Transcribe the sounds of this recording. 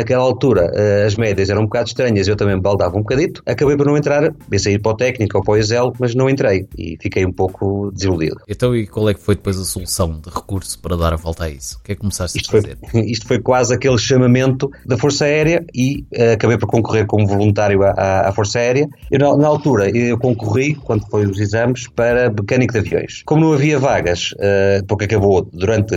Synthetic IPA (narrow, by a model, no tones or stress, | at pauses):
nɐkɛlˠalˠt̪uɾɐʔɛɐʒmɛðjɐzɛɾɐ̃ũbukaðuʃt̪ɾɐɲɐziewt̪ɐmɐ̃j̃mbalˠd̪avɐũbukɐðit̪u̥ɐkɐβejpɔɾnɐ̃wẽnt̪ɾaɾbẽsɐiɾpɾɔt̪ɛknikopɾɔizɛlˠmɐʒnɐ̃w̃ẽnt̪ɾejḭfikejũpowkud̪ɨzilˠuðḭðuẽnt̪ɐ̃w̃ikwalˠɛkfojðɨpojzɐsulˠusɐ̃w̃d̪ɨʁɨkuɾsu̥pɐɾɐðaɾɐvɔlˠt̪aisu̥kɛkːumsaʃt̪iʃt̪fojḛɾiʃt̪u̥fojkwazɐkelˠʃɐmɐmẽnt̪uðɐfoɾsaɛɾjɐiɛɐkɐβɐjpɔɾkõŋkuʁeɾkomuvulˠũnt̪aɾjuaʔaa̰foɾsaɛɾjɐewnɐanɐalˠt̪uɾɐewkõŋkuʁikwɐ̃nd̪ufojuzizɐmʃpɐɾɐmɨkɐnikuðɐvjõ̰j̃ʃkomunɐ̃w̃ɐviɐvaɣɐʃɛpuɾkɐkɐβoðuɾɐ̃nt̪